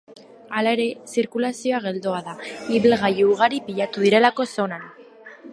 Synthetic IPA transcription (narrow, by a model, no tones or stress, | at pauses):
alae̞ɾe̞siɾkulasio̞aɣ̞e̞ld̪o̞aðaiβilɣajuuɣ̞aɾipiʎat̪uðiɾe̞lako̞so̞nan